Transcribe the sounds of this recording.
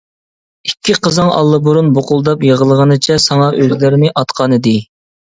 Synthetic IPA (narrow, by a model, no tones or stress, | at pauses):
ikʲʰːiqʰəzɨŋɑ̰lˠːɨbuɾunboqʊlˠd̪ɑpjeʁəlˠəʁənɨt͡ʃʰɛsɑŋɑʔøzlɪɾɪnɪʔɑt̪qʰɑnɨd̪ɪ